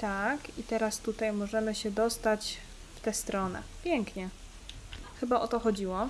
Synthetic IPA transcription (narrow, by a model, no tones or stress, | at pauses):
t̪akit̪ɛɾast̪ut̪ajmɔʐɛmɘɕɛd̪ɔst̪at͡ɕ | ft̪ɛst̪ɾɔnɛ̰pʲjɛŋkɲɛ | xɘbaʔɔt̪ɔxɔd͡ʑiwɔ